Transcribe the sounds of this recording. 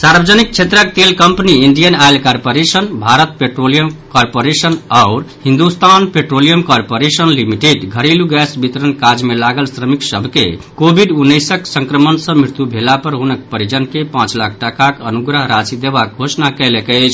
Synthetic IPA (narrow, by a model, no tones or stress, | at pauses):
saɾbʱəd͡ʒənik̚t͡ʃʰet̪ɾək̚t̪elkəmpəniiɳɖijənaɪlkaɾpoɾesənbʱaɾət̪̚peʈɾolijəmkɔɾpoɾesənaʊɾhĩnd̪ust̪ʰanpeʈɾolijəmkɔɾpoɾesənlimiʈeɖɡʱəɾiluɡɛsbit̪ɾənkad͡ʒmelaɡəlsɾəmiksəbʱkḛkobʱiɖunːəjsəksə̃ŋkɾəmənsə̃mɾiɾt̪ubʱelapəɾɦunək̚pəɾid͡ʒənkepãt͡ʃlakʰʈəkakənuɡɾəɦɾat͡ʃid̪ebak̚ɡʱosnakəlekət͡ʃʰ